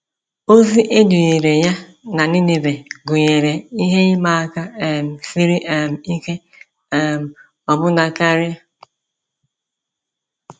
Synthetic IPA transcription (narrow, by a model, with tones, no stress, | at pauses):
o˦zi˦ʔe˦du˨ɲe˨ɾe˨ja˦na˨ni˦ne˨be˨ɡʊ˨ɲe˨ɾe˨i˦ɦe˦ma˦ka˦e˨m̩˨si˦ɾi˦ʔe˨m̩˨i˦ke˦ | e˨m̩˨ | ɔ˨bʊ˦na˨ka˦ɾja˦